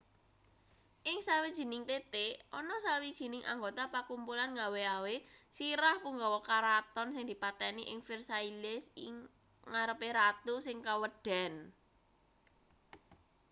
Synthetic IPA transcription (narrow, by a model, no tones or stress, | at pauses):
ʔɪŋsawid̥ʒ̥i̤nɪŋt̪et̪eɔnɔsawid̥ʒ̥i̤nɪŋʔa̰ŋɡot̪apakumpulanŋaweawesiɾahpuŋɡɔwɔkaɾat̪ɔnsɪŋd̪̥i̤pat̪ɛniʔɪŋfɪrsailɪsɪŋ | ŋaɾəpeɾat̪usɪŋkawəɖ̥ɛ̤n